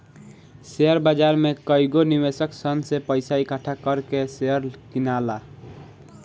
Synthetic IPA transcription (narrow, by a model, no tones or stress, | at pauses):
seəɾbəd͡ʒaɾmekəiɡonibesəksənsepəɪsaikəʈʰakəɾkeseəɾkinala